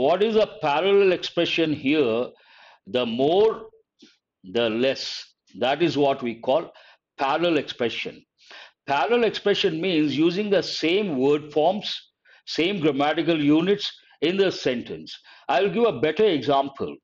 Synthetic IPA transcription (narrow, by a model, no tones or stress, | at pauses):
ʋɔʈɪzəpæɾəlɛlekspɾɛʃə̃nhiə | d̪əmoːɾ | d̪əlɛs | d̪æʈɪzʋɔʈʋiːkʰɔːl | pʰæɾəlekspɾɛʃə̰̃n | pæɾəlekspɾɛʃə̃nmĩːnzjuːzɪ̃ŋd̪əsẽːmʋəɾɖfɔːɾms | sẽːmɡɾəmæʈɪk̬əljuːnɪʈs | ɪ̃nd̪əsɛ̃ɳʈə̃ns | aɪʋɪlɡɪʋəbɛʈəɾeɡzãmpʰə̰l